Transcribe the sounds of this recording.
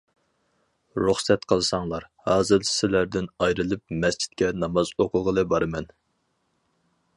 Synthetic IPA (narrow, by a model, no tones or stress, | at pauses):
ɾuχsɛt̪qʰəlˠɨsɑŋlˠɑɾhɑːzɨɾɪ̥sɪlæɾd̪ɪnɑjɾɨlˠɨp̚mɛst͡ʃʰi̥t̪̚kʲɛnɑmɑzoqʰʊlˠʁəlˠɨbɑɾɨmɛn